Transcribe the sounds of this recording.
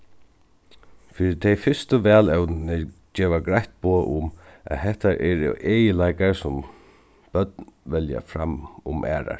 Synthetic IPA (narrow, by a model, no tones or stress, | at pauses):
fɪːɾɪt̪ʰɛjfʏst̪əʋɛːlɛwt̪nəd͡ʒɛːʋaɡɾajht̪̚boːʔʊmʔæ̰ðɦɛht̪aɾʔɛɾɛ̰ʔeːjəlajkaɹsʊm | b̥œt̪nʋɛlja̰fɾa̰mʊmʔæ̰ːɾa̰ɹ